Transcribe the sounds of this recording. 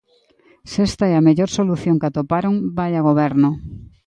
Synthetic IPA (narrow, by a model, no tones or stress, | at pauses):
sest̪aɛameʎoɾsoluθjoŋkat̪opaɾoŋbajaɣ̞oβ̞ɛɾno